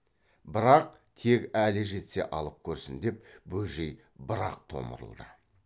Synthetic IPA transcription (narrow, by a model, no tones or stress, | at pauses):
bɪɾɑq̚ | t̪ʰe̞kʲælɪʒe̞t̪se̞̰ʔɑlˠəp̚kʲʰɵɾsɪnd̪e̞p̚bɵlʒe̞j | bəɾɑ̰qt̪ʰo̞̰mə̰ɾə̰lˠd̪ə